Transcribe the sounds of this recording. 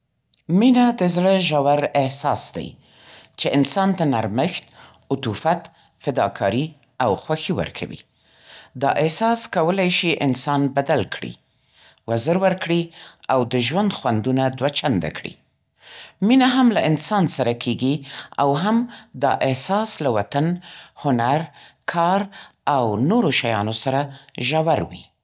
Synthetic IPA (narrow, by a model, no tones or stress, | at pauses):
minad̪əzɽəʒawaɾɪhsɑsd̪a̰j | t͡ʃeʔɪnsɑnt̪anaɾməxt̪ | ʊt̪ufat̪ | fɪd̪ɑkʰɑɾi | awxwaxiwə̰ɾkʰa̰wḭ | d̪ɑ̰ʔɪhsɑskawəlajʃiʔɪnsɑnbad̪alkʰɽḭ | wazəɾwəɾkɽiawd̪əʒwand̪xwand̪unad̪wat͡ʃand̪a̰kɽḭ | minaɦamlaʔɪnsɑnsaɾakʰeɡia̰wɦamd̪ɑ̰ʔɪhsɑslawat̪anhʊnaɾkʰɑɾawnoɾoʃajɑ̰nosaɾaʒawaɾwḭ